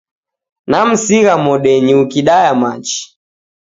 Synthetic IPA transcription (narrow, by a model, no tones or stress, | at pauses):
nam̩siɣamɔɗɛɲiukiɗajamat͡ʃi̥